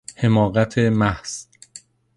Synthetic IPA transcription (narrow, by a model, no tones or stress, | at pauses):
he̞mɒːɣæt̪ʰemæhz̥